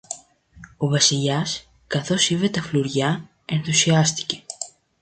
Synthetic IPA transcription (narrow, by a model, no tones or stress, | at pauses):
o̞vɐsiʎɐs | kɐθo̞sive̞t̪ɐfluɾʝɐ | e̞nθusiɐst̪i̥ce̞̥